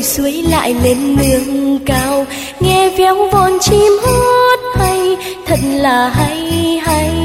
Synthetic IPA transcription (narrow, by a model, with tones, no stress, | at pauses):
jsu˨˦əjla̰ː˧˨jle˧nːɨ˨˦əŋkaː˧w | ŋɛ˧vɛ˨˦wvɔ˨˩nt͡ɕi˧mho˦t̚ha˧j | t̪ʰə˨˩t̚laː˨˩ha˧jha˧j